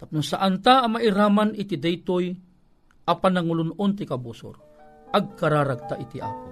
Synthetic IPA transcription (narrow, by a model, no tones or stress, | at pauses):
t̪ap̚nʊŋsaʔant̪aːmaʔɪɾaːmanɪt̪id̪ɛjt̪oj | ʔapanaŋʊlʊnʊnt̪̬ɪkabuːsʊ̰ɾ | ʔaɡ̚kaɾaːɾaɡ̚t̪aʔit̪iʔa̰ːpo